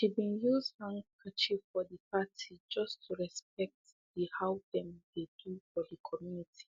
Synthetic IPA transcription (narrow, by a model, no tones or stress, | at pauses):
ʃibĩnjuzhãŋkʰat͡ʃifɔðəpatʰid͡ʒʌstʰuɹɛsp̚ɛk̚t | dihaʊdɛ̃mdedufɔdəkʰɔmjunitʰi̥